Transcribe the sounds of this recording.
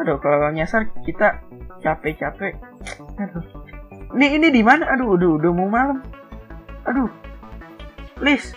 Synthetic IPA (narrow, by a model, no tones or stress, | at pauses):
adokalaɾaŋɲasarkit̪a | t͡ʃapɛt͡ʃapɛado | niːnidimanaʔaduːduudʊmumaləm | ʔadu | lɪs